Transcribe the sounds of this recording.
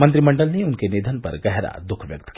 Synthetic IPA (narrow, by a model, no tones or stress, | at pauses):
mɐ̃nt̪̬ɾimɐ̃ɳɖəlneʊnkenid̪ʱənpɐ̰ɾɡɛɦɾa̰d̪ʊkʰʋjɐk̚t̪ki